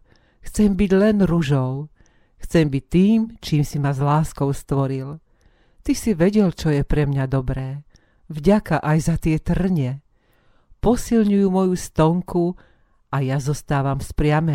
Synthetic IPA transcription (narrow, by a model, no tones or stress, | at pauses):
xt͡sɛmbiɟlɛnɾuʒɔʊ | xt͡sɛmbic̚t̪ːiːmt͡ʃiːmsimazlaːskɔʊst̪ʋɔɾil | t̪isiʋɛɟɛlt͡ʃɔjɛpɾɛmɲad̪ɔbɾɛː | vɟakaʔajzat̪ɪɛt̪r̩ɲɛ | pɔsilɲujumɔjust̪ɔŋku | ʔajazɔst̪aːʋamspɾɪamɛ